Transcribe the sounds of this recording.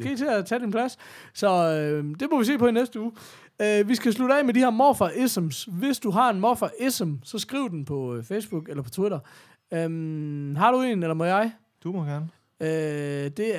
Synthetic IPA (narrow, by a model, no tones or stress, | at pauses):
ɡ̥ḛt͡sʰe̝æt͡sʰɛd̥inpʰlæs | sɒ̽ød̥e̝mɒʋise̝̰ːpʰɒ̽inesd̥əuː | øʋisɡ̥æs̬luɾəɛ̰ɪmedihæɐ̰mɒfɐʔesemsʋe̝sd̥uɦɑ̈e̝nmɒfɐʔesemsɒ̽sɡ̥ʁḭʊd̥n̩pʰɒ̽feɪsb̥uɡ̥elɐpʰɒ̽t͡sʰwiɾɐ | ømɦɑ̈ɾ̥ue̝̰ːnelɐmɒjɑ̈ɪ | d̥umɒɡ̥æɐn | ød̥e̝